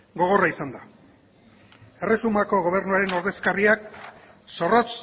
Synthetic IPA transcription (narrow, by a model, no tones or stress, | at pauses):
ɡo̞ɣ̞o̞raisand̪a | e̞re̞sumako̞ɣo̞β̞e̞ɾnuaɾeno̞ɾðe̞skariak | so̞ro̞t͡s